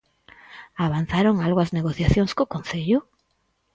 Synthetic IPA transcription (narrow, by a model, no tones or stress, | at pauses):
aβan̟θaɾoŋalɣoɐzneɣ̞oθjaθjoŋskokonθeʎʊ